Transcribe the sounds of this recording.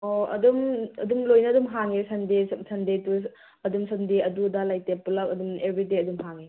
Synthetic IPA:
oɐ̰dumɐ̰dumlojnɐːdumɦaŋesɐndesɐndetu | ɐdumsɐmdeɐdudalajtepulakɐdumebɾideɐdumɦaŋe

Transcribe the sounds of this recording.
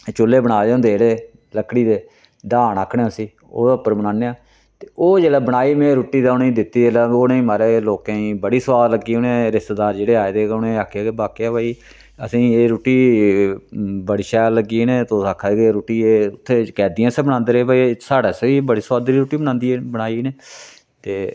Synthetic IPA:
t͡ʃʊlːeːbəɽaːd͡ʒãːnd̪eeːɽeː | ləkɽiːd̪eː | ɖaːnaːkʰːɽẽːʊsiː | o̰ːd̪aʊpːəɾbənãːneːaː | t̪e̥ːoːd͡ʒeːlaːbəɽaːiːmẽːɾoːʈiːd̪aːʊnẽːĩːd̪ɪt̪ːiːd͡ʒeːlaːoːnẽĩːmaːɾeːloːkãːĩːbəɽiːsəwaːd̪ləɡiːʊnẽːɾɪst̪eːd̪aːɾd͡ʒeːɽeːaːed̪eːkːnẽːaːkʰːjaːkebaːkijaːbaːiː | əsĩːeːɾoːʈiː | bəɽʃaːləɡiːneːt̪oːsaːkʰaːekeɾoːʈiːeːʊt̪ʰːeːkɛːd̪iːãːsɛːbənãːnd̪ɾeːbaːisaːɽaːseiːbəɽiːswaːd̪ɾiːɾoːʈiːbənãːnd̪iːeːbənaːiːneː | t̪eː

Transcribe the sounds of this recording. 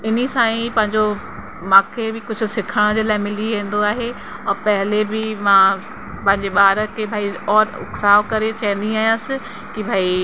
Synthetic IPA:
ɪnisãːĩpɐ̃ɦɪ̃ɲd͡ʑo | mãːkʰebɪkʊd͡ʑʱʊ̆sɪkʰəɽ̃d͡ʑeːlaːɪmɪliʋẽːn̆d̪oaːɦe | ɔːɾpɐɦɪlebɪmã | pɐ̃ɦɪ̃ɲd͡ʑeɓaːɾəkʰeːbʱaːiɔːɾʊ̰ksaːʋkɐɾet͡ɕɐɦə̃n̆d̪iaːjãsɪ | kibʱaːi

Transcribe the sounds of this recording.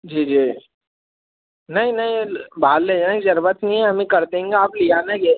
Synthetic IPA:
d͡ʒiːd͡ʒiː | nɐɦĩnɐɦĩbaːlːed͡ʒanaid͡ʒɐɾʋət̪nĩɦɛɦɐmẽkɐɾd̪ẽːŋɡeaːplijaːneɡe

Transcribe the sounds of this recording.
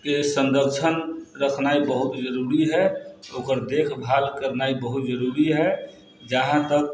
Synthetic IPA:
kesə̃nd̪əɾt͡ʃʰənɾəkʰnaibəɦut̪d͡ʒəɾuɾiɦɛoːkəɾd̪ekʰbʱalkəɾnaibəɦut̪d͡ʒəɾuɾiɦɛ | d͡ʒəɦãt̪ək̚

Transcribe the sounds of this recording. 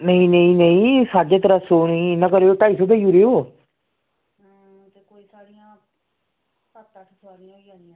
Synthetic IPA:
nəĩːnəĩːnəĩːsaːd͡ʒet̪əɾəsoːnəĩːnːãːkəɾeːoːʈaːisoːbeiuɾeoː | t̪eːkoːiːsaːɽijãː | pət̪ːãːʈʰəsaːɾijãiãːniã

